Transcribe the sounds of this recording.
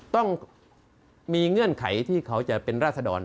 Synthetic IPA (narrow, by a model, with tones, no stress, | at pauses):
t̪ɔ˥˩ŋ | miː˧ŋɯ˧˥˩ənkʰa̰˩˦jt̪ʰiː˥˩kʰa˦˥wt͡ɕa˨˩pe˧nɾaː˥˩t̪̚sa˧dɔː˧n